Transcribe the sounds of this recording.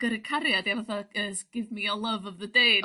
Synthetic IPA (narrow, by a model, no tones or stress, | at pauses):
ɡ̥əɾɨkʰaɾjadjavaθaəsɡ̥ɪvmiəlˠəvɔvðədej